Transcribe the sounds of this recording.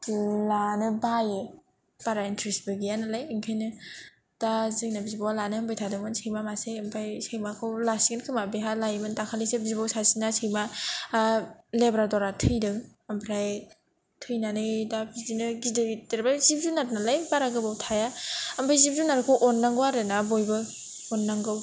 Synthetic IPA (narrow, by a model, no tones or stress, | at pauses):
lanɯbaje | b̥aɾaintʰɾisbɯɡijanalajiŋkʰajnɯ | d̥azɯŋnabizibawalanɯɐmbʰajtʰadɯŋmɯnsʰejmamaseɐmpʰajsejmakʰɯwlasiɡɯnkʰɯmabeɦalajmɯntakʰalesebizibawsasinasʰejma | lebɾadɔɾatʰɯjdɯŋ | ampʰɾaj | tʰɯjnanɯdabidinɯɡidɯɡiteɾbazip̚zunat̚nalajbaɾaɡɯbawtʰajaɐmpʰajzib̚zunaɾkʰowʔɔnːaŋɡwaɾɯnabojbɯ | ɔnːaŋɡɯw